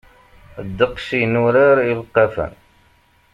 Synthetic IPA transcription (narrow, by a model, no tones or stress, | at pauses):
d̪ːəqʃinuɾaɾilqːɑfə̰n